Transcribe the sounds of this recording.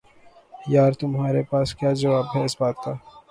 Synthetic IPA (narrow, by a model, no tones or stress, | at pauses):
jaːɾt̪ʊmɦaːɾepaːskjaːd͡ʒɐʋaːbɦɛːsbaːt̪ːaː